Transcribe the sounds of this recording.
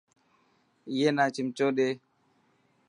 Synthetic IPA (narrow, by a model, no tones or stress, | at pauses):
jenat͡ʃimt͡ʃoɗe